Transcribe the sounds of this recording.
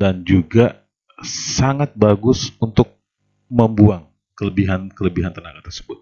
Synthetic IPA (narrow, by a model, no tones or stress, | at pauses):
dand͡ʒuɡa | saŋat̪̚baɡʊsunt̪ʊk̚ | məmbuaŋ | kələbiɦankələbiɦant̪ənaŋat̪ərsə̥bʊt̪̚